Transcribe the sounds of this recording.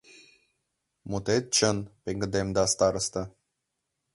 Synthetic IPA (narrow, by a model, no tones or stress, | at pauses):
mut̪et̪̚t͡ʃənpeŋɡəd̪emd̪ast̪aɾəst̪a